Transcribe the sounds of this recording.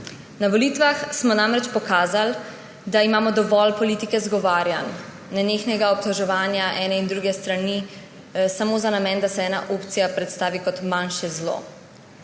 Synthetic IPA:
naʋɔliːt̪ʋaxsmɔnamɾɛt͡ʃpɔkaːzal | d̪aimaːmɔd̪ɔʋɔlpɔliːt̪ikɛzɡɔʋaːɾjanː | ɛneːxnɛɡaɔp̚t̪ɔʒɛʋaːnjaʔɛːnɛind̪ɾuːɡɛst̪ɾani | samoːzanamɛːnd̪asɛɛːnaʔoːpt̪sijapɾɛt̪st̪aːʋikɔt̪manʃɛzlo̰ː

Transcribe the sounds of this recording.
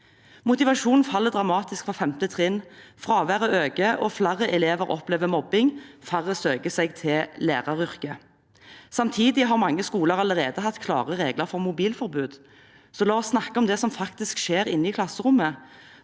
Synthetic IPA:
mʊt̪ɪʋɑʂuːnn̩fɑlːəd̪ʁɑmɑːt̪ɪskfʁɑfɛmt̪ət̪ʰʁɪnfʁɑːʋæʁəøːɡəʔɔflæʁəʔɛleːʋəɾɔ̰plɛːʋəmɔbɪŋfæʁəsøːɡəsɛɡt̪ʰɪlæːʁɑɾʏʁkə | sɑmt̪ʰiːd̪ɪɦɑːɾmɑŋːəskuːləʁɑləʁeːd̪əɦɑt̪ːkʰlɑ̰ːʁəʁeːɡləʁfɔʁmʊbiːlfɔɾbʉːd̪ | sɔlɑːɔsːnɑkːəɔmd̪ɛsɔmfɑkt̪ɪskʃeːʁɪnːəɪkʰlɑsəʁʊmːə

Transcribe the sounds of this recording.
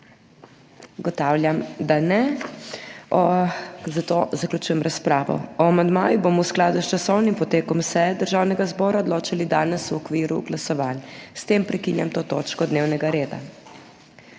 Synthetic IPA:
ɡɔt̪aːwlʲjamd̪anɛ | ɔzat̪ozaklʲut͡ʃuːjɛmɾaspɾaːʋɔ̰ɔamand̪maːjubomɔwsklaːd̪ust͡ʃasɔwnimpɔt̪eːkɔmsɛɛd̪əɾʒaːwnɛɡazbɔːɾaɔd̪loːt͡ʃalid̪aːnɛsuɔkʋiːɾṵɡlasɔʋaːnst̪eːmpɾɛkinja̰mt̪oːt̪oːt͡ʃkɔd̪neːwnɛɡaɾeːd̪a̰

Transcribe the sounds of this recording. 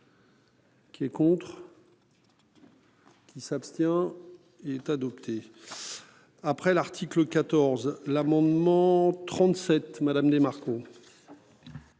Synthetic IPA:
kʲiɛkɔ̃t̪χ | kʲisapst̪jɛ̃ | eɛt̪ad̪ɔpt̪ʰe | apχɛlaʁt̪ʰikləkat̪ɔʁzlamɑ̃d̪mɑ̃t̪χɑ̃t̪sɛt̪mad̪amd̪emaʁko

